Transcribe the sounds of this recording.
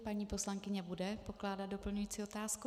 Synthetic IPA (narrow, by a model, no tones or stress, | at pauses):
paɲiːpo̞slaŋkɪɲɛbudɛpo̞klaːdat̪̚do̞pl̩ɲujiːt͡siːo̞t̪aːsku